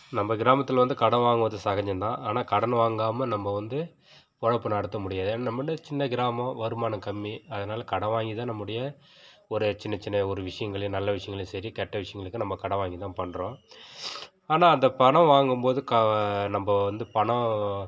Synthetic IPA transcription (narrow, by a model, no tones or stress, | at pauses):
nɐmbɐɡɪɾaːmɐt̪ːɪlʋɐnd̪ɯkɐɽɐ̃ʋaːŋɡɯʋɐðɯsaɣɐɲd͡ʒɐnd̪ãːʔaːnaːkɐɽɐnʋaːŋɡaːmɐnɐmːɐʋɐnd̪ɯ | pɔɻɐpːɯnɐɽɯt̪ːɐmʊɽɪjaːðɯeːnaːnɐmːɽɐjɐt͡ʃɪnːɐɡɪɾaːmɐ̃ʋɐɾɯmaːnɐkɐmːiɐðɐnaːlɐkɐɽɐ̃ʋaːŋɡit̪ãːnɐmːɯɽɐjɐ | ɔɾɯt͡ʃɪnːɐt͡ʃɪnːɐɔɾɯʋɪʂɐjɐŋɡɐɭɐjɐ̃nɐlːɐʋɪʂɐjɐŋɡɐɭɪj̃sɐɾikɛʈːɐʋɪʂɐjɐŋɡɐɭɯkːɯnɐmbɐkɐɽɐ̃ʋaːŋɡit̪ãːpɐɳːɾõː | aːnaːɐnd̪ɐpɐɳɐ̃ʋaːŋɡɯmpoːðɯkɐnɐmbɐʋɐnd̪ɯpɐɳɐ̃